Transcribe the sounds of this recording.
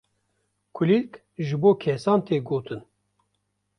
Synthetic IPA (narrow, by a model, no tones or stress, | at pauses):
kʰɨlik | ʒɨboːkʰɛsɑːnt̪eːɡoːt̪ʰɨn